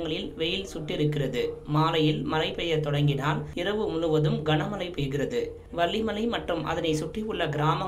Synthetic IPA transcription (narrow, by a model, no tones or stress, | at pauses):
ŋɡɐɭɪlʋɛjɪlsʊʈːɪɾɯkːɪrɐðɯmaːlɐjɪlmɐɾɐɪpɛjɐt̪ɔɽɐŋɡɪnaːlɪrɐʋɯmʊnɯʋɐðɯmɡɐɳɐmɐlɐɪpeːjɣɪrɐðɯ | ʋɐɭːimɐlɐɪmɐʈrɯmʔɐ̰ðɐnɐɪsʊʈriʊɭːɐɡɪɾaːmɐ